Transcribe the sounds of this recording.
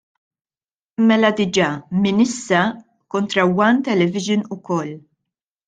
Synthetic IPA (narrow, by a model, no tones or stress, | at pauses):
mɛlɐd̪ɪd͡ʒɐːmɪnɪsːɐ | kɔnt̪ɾɐwɐnt̪ɛlɛvɪʒɪnʊkɔlː